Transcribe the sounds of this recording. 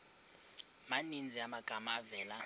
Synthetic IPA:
manind͡zʱiamaɡ̥ʱamaːvɛːla

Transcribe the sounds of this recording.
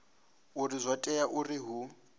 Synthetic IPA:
urizʷatʼɛjaʔurɪɦu

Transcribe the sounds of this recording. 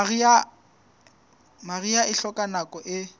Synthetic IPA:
a | mariaɪɬɔkʼanakɔʔɪ

